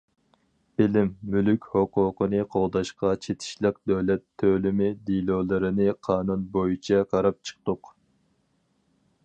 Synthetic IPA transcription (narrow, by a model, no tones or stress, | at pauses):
b̥ɪlɪmːylykʲhoqʊqənɨqʰolˠd̪ɑʃqɑt͡ʃʰet̪ʰɪ̥ʃlˠəq̚d̪øwlɛt̪ʰːølymɪd̪ilˠoːlˠɨɾɨnɨqʰɑːnunbojut͡ʃʰɑqʰɑɾɑp̚t͡ʃʰə̥q̚t̪ʊq